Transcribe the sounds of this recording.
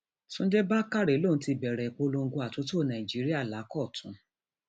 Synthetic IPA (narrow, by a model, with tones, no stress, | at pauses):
tũ˦de˦ba˦ka˦ɾe˨˦lo˦˨n̩˦ti˧bɛ˨ɾɛ˨k͡po˧˦˧lo˧ŋ̩˦ɡo˧a˨tu˨˦to˦˨nã˨i˨d͡ʒi˨˦ɾi˦a˦˨la˨˦kɔ˦˨tʰũ˨˦